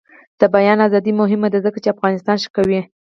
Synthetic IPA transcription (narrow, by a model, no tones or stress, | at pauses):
d̪̥əbajɑnazɑd̪imʊɦɪmad̪azəkat͡ʃeafɣɑnɪst̪ɑnʃə̥kawi